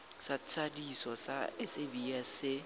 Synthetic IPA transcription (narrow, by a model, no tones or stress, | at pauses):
sat͡sʰʼadisɔsa̰ɪsebiasɪ